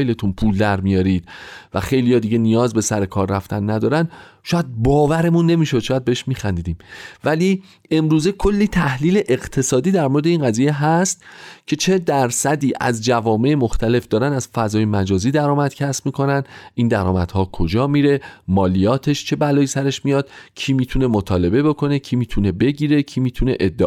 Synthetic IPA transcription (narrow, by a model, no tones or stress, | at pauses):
jle̞t̪ʰunpʰuld̪æɾmijɒːɾiːd̪̥̚væ̰xe̞jlijɒːd̪iːɟe̞nijɒːzbe̞sæɾe̞kʰɒːɾːæft̪ænːæd̪ɒːɾænʃɔːjæd̪̚bɒːvæɾe̞munːe̞miːʃo̞d̪̥ʃɒːjæd̪beeʃmiːxænd̪iːd̪iːmvæliː | e̞mɾuːze̞kʰo̞lːiːt̪ʰæhliːle̞ʔeɢt̪ʰe̞sɒːd̪iːd̪æɾmoɾed̪einɢæziːje̞ɦæst̪cʰe̞t͡ʃʰe̞d̪æɾsæd̪iːʔæ̰zd͡ʒævɒːme̞emoxt̪ʰæle̞fd̪̥ɒːɾænæzfæzɒːjemæd͡ʒɒːziːd̪æɾɒːmæd̪̥cʰæsmiːkʰo̞nænd̪ʔind̪æɾɒːmæ̰d̪̥hɒːkʰod͡ʒɒːmiːɾe̞mɒːlijɒːt̪ʰe̞ʃt͡ʃʰe̞bælɒːjisæɾe̞ʃmijɒːd̪̥cʰiːmiːt̪ʰune̞mot̪ʰɒːle̞be̞bo̞kʰo̞ne̞cʰiːmiːt̪ʰune̞be̞ɟiːɾe̞cʰiːmiːt̪ʰune̞̰ʔed̪ːe